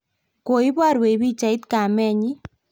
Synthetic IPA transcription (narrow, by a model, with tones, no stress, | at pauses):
ko˨i˦bwa˦˨ɾwe˨˦bi˦t͡ʃa˨ɪ˦t̪ka˨mɛ˦ɲɪ˦